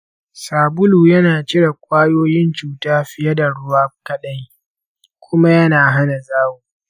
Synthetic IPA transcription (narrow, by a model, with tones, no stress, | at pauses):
saː˨bʊ˦luː˨jɐ˦naː˨t͡ʃɪ˦ɽa˨kʷʼaː˦joː˦jɪ˦nt͡ʃuː˨taː˦ɸɪ˦jɐ˦da˨ɽʊ˦waː˦kɐ˦ɗɐ˦j | kʷʰʊ˦ma˦jɐ˦naː˨ɦa˦na˨zaː˦wuː˨